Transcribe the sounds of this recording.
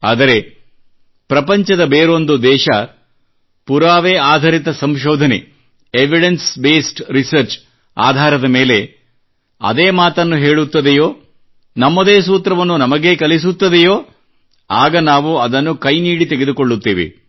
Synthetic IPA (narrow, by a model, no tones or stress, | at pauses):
a̰ːd̪ɐɾe̞ | pɾɐpɐɲt͡ʃɐd̪ɐbeːɾond̪ud̪ɛːʃɐ | puɾaːʋeːaːd̪ʱɐɾit̪ɐsɐmʃɔːd̪ʱɐnḛ | eʋiɽensbeːsʈɾisɐɾt͡ʃ | a̰ːd̪ʱaːɾɐd̪ɐmeːle̞ | ɐ̰d̪eːmaːt̪ɐnːuɦe̞ːɭut̪ːɐd̪ejo̞ː | nɐmːod̪eːs̬uːt̪ɾɐʋɐnːunɐmɐɡeːkɐlis̬ut̪ːɐd̪ejoː | aːɡɐnaːʋuɐd̪ɐnːukɐjniːɽit̪eɡed̪ukoɭːut̪ːiːʋḛ